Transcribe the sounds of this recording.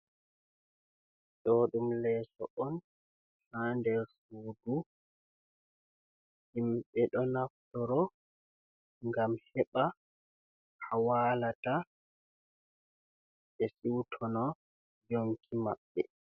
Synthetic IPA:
ɗɔɗumlɛːsɔ̰ʔɔn | handɛɾsuːdu | himɓɛɗɔnaftɔɾɔ | ŋɡamhɛɓa | hawaːlata | ɓɛsiwtʰɔnɔ | d͡ʒoŋkʰima̰ɓːɛ̰

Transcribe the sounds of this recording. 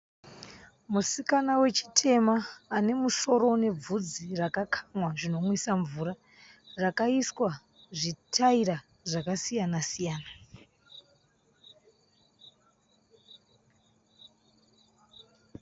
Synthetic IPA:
musikanawe̞t͡ʃi̥tʰe̞maːne̞muʃo̞ɾo̞ne̞b͡vud͡zirakakʰḁmwaʐino̞mwisaɱvuɾa | rakaiswa | ʐitʰaiɾa | ʐakasijanasijaːna

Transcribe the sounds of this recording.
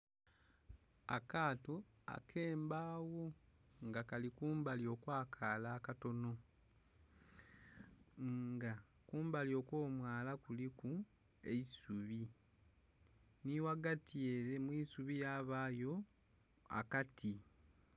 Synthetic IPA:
a̰kaːto | a̰kʰe̞ːmbaːwo̞ | ŋɡakalikuːmbalio̞kwaːkʰalaːkato̞no̞ | ŋɡa | kuːmbalio̞ːkwo̞ːmwaːlakuliku | e̞isuβi | niwaɡatʰieɾe̞mwisuβijaːβaːjo̞ | a̰katʰi

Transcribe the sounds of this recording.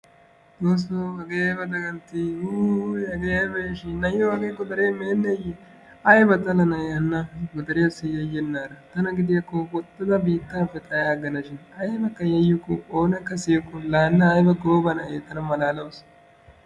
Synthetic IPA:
d̪oːs̬ːoɐɡeːbɐd̪ɐɡɐnt̪ːiuɐɡejbeːʃɪːɐjohɐɡeːkːɔd̪ɐɾemeːnːɛjɛ | ɐjbɐt̪ɐlɐnɐɐnːɐɡɔd̪ɐɾɪjɐsɪjɐjːɛnːaːɾɐt̪ɐnɐɡɪd̪ɪjɐkːowɔt̪ːɐd̪ɐbiːt̪ːaːfɛt̪ʼɐjaːɡɐnɐʃɪnɐjbɐkːɐjɐjːʊkːʊoːnɛkːɐsijkːʊlaːnːɐːjbɐɡoːbɐnɐeːt̪ːɐnɐmɐlaːlɐwʊs

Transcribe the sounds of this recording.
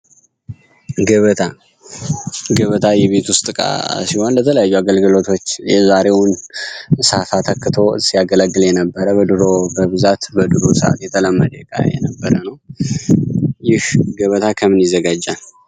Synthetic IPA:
ɡəβət̪ʰa | ɡəβət̪ʰajɛβe̞t̪wʊst̪ʼɨkʼa̰siho̞nlət̪ʰələjajːuaɡəlɡɨlo̞t̪ʰo̞t͡ʃːjɛzaɾe̞wn | safat̪ʰəkːɨt̪ʰo̞ɨsijaɡələɡːɨljɛnəbːəɾəbəd̪ɨɾo̞bəβɨzat̪bəd̪ɨɾosəʔa̰t̪jɛt̪ʰələmːəd̪əkʼa̰jɛ̰nəbːəɾənəw | jɪhɡəβət̪ʰakʰəmɨnjɪzːəɡad͡ʒːal

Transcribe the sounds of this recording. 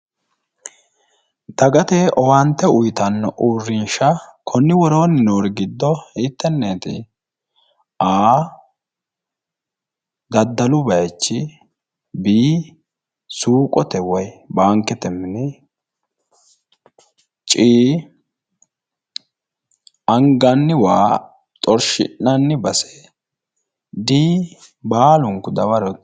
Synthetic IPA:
t̪ɐɡɐt̪eʔɔwant̪ːɛʊjt̪ɐnːɔʔuːrːɪnʃɐkʰɔnːɪwɔɾo̞ːnɪnoːɾɡɪd̪ːɔɪt̪ːɛnːeːt̪ɪ̰ | ʔaː | d̪ɐd̪ːɐlʊbɐjt͡ʃːɪ | biː | suːkʼɔt̪ɛwɐjbaːŋkːɛt̪ɛmːɪnɛ | t͡ʃʼiː | ɐŋɡɐnːɪwaː | t̪ʼɔɾʃɪ̰ʔːɐnːɪbɐse̥ | d̪iː | baːlʊŋkːʊd̪ɐwɐɾɔ

